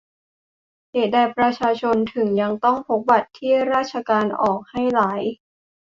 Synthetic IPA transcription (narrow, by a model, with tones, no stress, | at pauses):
heː˨˩dɛː˧˩pɾa˧t͡ɕʰaː˧t͡ɕʰo˧nt̪ʰɯ˩˦ŋja˧ŋt̪ɔ˥˩ŋpʰo˦˥k̚ba˨˩t̪ʰːiː˥˩ɾaː˥˩t̪̚t͡ɕʰa˧kaː˧nʔɔː˨˩k̚ha˥˩jlaː˩˦j